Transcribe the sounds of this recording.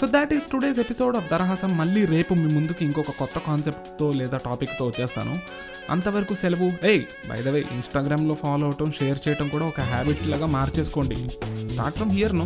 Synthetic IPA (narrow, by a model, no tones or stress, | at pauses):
soːd̪ɛʈizʈuɖe̞ːs̬episo̞ːɖɐːfd̪ɐɾɐɦɐsɐmːɐɭːiːɾe̞ːpumimund̪ukuiŋkɔkɐkɔt̪ːɐkaːnse̞pʈt̪o̞ːlɛːd̪aːʈaːpikːt̪o̞ːʋɐt͡ʃːɛːst̪a̰ːnṵ | ɐ̰nt̪ɐʋɐɾɐkusɛlɐʋueːj | bɐ̰jd̪ɐʋḛːʔḭnsʈaːɡɾaːmlo̞ːpʰaːlowɐʈɐmʃeːjɐɾt͡ʃɛːjɐʈɐmkuːɽaːɔkɐɦaːbiʈlaːɡaːmaːɾt͡ʃe̞ːsu̥ko̞ːɳɖḭɖa̰ːʈfɾɐmɦijɐɾnu